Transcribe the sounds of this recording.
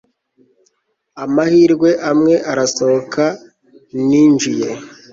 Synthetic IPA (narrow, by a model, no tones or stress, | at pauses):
amahiːɾɡwe̞ʔamŋe̞ʔaɾasookʰa | niːnd͡ʒije̞